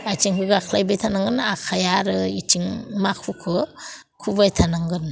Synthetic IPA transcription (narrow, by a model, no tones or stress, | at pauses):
ajtiŋkʰɯɡakʰlajbajtʰanaŋɡɯnakʰajaɾɯitʰiŋmakʰukʰɯ | kʰubajtʰanaŋɡɯn